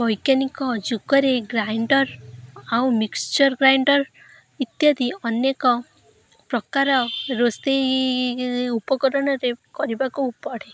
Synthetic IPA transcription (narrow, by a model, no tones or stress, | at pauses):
bɔjkjanikɔd͡ʒukɔɾeɡɾajɳɖɔɾawmikst͡ʃɔɾɡɾajɳɖɔɾ | it̪jɔd̪iɔnjekɔ | pɾɔkaɾɔɾost̪e | upɔkɔɾɔɽ̃ɔɾekɔɾibakuːpɔɽ̤e